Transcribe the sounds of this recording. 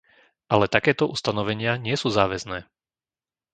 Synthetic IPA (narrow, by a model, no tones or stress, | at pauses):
ʔalɛt̪akɛːt̪ɔʔust̪anɔʋɛɲɪaɲɪɛsuːzaːʋɛznɛː